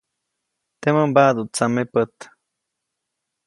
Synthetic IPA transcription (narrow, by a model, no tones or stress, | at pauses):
t̪eməmbad̪ut͡samepət̪